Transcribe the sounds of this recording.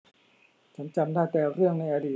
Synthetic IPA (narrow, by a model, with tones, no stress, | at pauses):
t͡ɕʰa˦˥nt͡ɕa˧mdaː˥˩t̪ɛː˨˩ɾɯ˥˩əŋna˧jʔa˧diː˨˩